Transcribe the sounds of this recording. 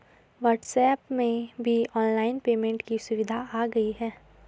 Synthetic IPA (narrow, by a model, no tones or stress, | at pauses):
ʋɐːɾʈsɛːpmẽbʱiɔːnlaːɪnpeːmẽɳʈkisʊʋɪd̪ʱaaːɡɐiɦɛː